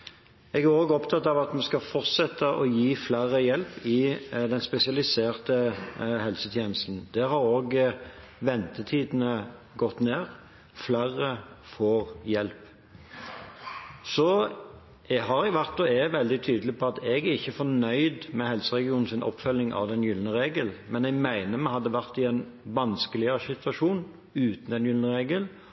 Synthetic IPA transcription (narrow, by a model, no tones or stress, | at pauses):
ɛɡæɾoːɡɔpt̪ʰɑt̪ɑʋɑt̪mɛskɑfɔʁt̪sɛt̪ːəʔɔjiːflæːʁəjɛlpɪd̪ɛnspɛsɪɑlɪseːʁt̪əhɛlsət̪ʰjeːnəst̪n̩d̪̥ɛhɑɾoːɡ | ʋɛnt̪ət̪ʰiːd̪n̩ə | ɡɔt̪neːʁ | flæːʁəfoːʁjɛlp | sɔ | ɦɑɾɛɡʋæʁt̪̚ɔɛʋɛld̪ɪt̪ʰyːd̪əlɪpʰɔɑt̪ɛɡæɾɪçːəfɔnœʏd̪mɛhɛlsəʁɛɡɪuːnn̩sɪnʔɔ̰pfœlːɪŋʔɑ̰ʋd̪ɛnjʏlnəɾeːɡəlmɛnɛɡmæɪnəmɛhɑd̪ːəʋæɾt̪ɪɛnʋɑnskəlɪəəsɪt̪ʰʋɑʃuːn | ʉːt̪n̩ɛnjʏlnəɾeːɡəl